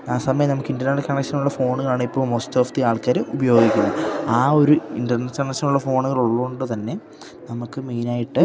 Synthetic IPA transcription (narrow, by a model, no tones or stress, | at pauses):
aːsɐmɐjɐmnɐmukːindɐnaːɽekːɐɳɐkʂɐnuɭːɐfo̞ːɳuɣɐɭaːɳɨipːo̞ːɭmoːsto̞ːft̪iaːɭkaːɾɨubɐjo̞ːɡikʲːunːuaːo̞ɾuinɖɐrnɐsɐɳɐkʂɐnuɭːɐfo̞ːɳuɣɐɭoɭːɐɣoɳɖɨt̪ɐnːe̞ | nɐmukːɨme̞ːnaːjiʈːɨ